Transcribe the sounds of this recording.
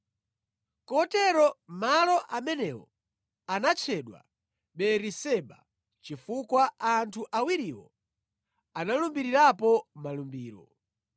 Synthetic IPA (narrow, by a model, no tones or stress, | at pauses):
kɔtɛɾɔmalɔʔamɛnɛwɔ | anat͡ʃʰɛɗwa̰ | ɓɛɾisɛɓa | t͡ʃifukwaantʰuʔawiɾiwɔ̰ | analumbiɾiɾapɔmalumbiːɾɔ̰